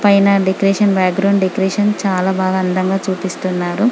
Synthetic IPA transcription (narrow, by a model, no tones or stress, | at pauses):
pɐjnɐɖekɾeːʂɐnbaːkɡɾɐwɳɖɖekɾeːʂɐnt͡ʃaːlaːbaːɡɐːnd̪ɐŋɡaːt͡ʃuːpist̪unːaːɾu